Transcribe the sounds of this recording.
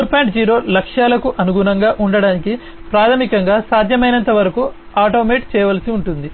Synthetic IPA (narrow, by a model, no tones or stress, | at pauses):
uɾpaːɳʈd͡ʒiːɾo̞ːlɐkʂjaːlɐkuʔɐnuɡunɐŋɡaːʔuɳɖɐɽaːniki | pɾaːt̪ʰɐmikɐŋɡaːsaːd̪ʱjɐmɐjnɐnt̪ɐʋɐɾɐku | aːʈo̞ːmeːʈt͡ʃɛːjɐʋɐlɐsiuɳʈund̪i